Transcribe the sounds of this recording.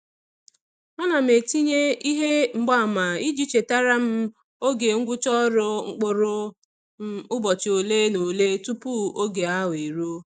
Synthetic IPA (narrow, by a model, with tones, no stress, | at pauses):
ɔ˦na˨m̩˨e˨ti˦ɲe˦i˦ɦe˦ŋ͡m̩˨ɡ͡ba˦˨ma˨i˦d͡ʒi˦t͡ʃe˨ta˦ɾa˦m̩˦ | o˦ɡe˨ŋ̩˦ɡʷʊ˦t͡ʃɔ˦ɾʊ˦ŋ͡m̩˦k͡pʊ˨ɾʊ˦ | ʊ˦bɔ˨t͡ʃɪ˨o˨le˦no˨le˦tu˦pu˦o˦ɡe˨a˦we˨ɾo˦